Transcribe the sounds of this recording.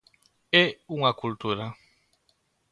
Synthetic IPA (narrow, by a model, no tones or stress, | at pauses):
euŋakult̪uɾa